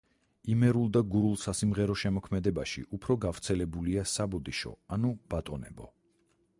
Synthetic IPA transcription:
imɛɾulˠd̪aɡuɾulˠsasimʁɛɾɔʃɛmɔkʰmɛd̪ɛbaʃḭʔupʰɾɔɡavt̪sʰɛlɛbuliasabɔd̪iʃɔ̰anub̥at̪ʼɔnɛbɔ̰

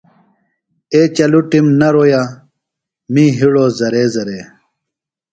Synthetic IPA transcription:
eːt͡ɕɐluʈimnɐɾoːja | mĩːɦiɽoːzɐɾeːzɐɾeː

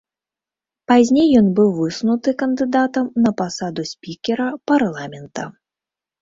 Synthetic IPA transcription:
pazʲnʲejːɔnbɨwvɨsnut̪ɨkɐnd̪ɨd̪at̪ɐmnɐpasad̪usʲpʲikʲɛɾɐparlˠamʲɛnt̪ɐ

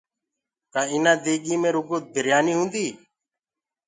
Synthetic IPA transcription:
k̪ãːɪnãːd̪eːɡiːmẽːɾuːɡoːd̪ʱəɾjaːniːɦũːnd̪iː

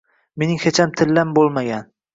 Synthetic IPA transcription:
me̞nɪŋhet͡ʃʰamt̪ʰɪlːambolˠmaɡʲan

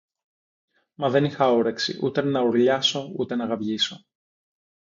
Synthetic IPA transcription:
mɐðe̞nixɐoɾe̞ksḭʔut̪e̞nɐuɾʎɐso̞ut̪e̞nɐɣɐvʝiso̞

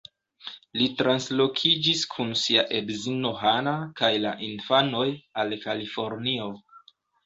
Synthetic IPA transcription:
litɾanslo̞kʰid͡ʒiskʰunsiaʔe̞bzino̞ɦanakajla̰ʔinfano̞jalkalifo̞ɾnio̞

